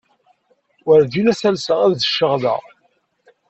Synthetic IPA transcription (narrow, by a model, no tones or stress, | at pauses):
wəɾðinæsælsəʁæððəʃːəʁðə̰ʁ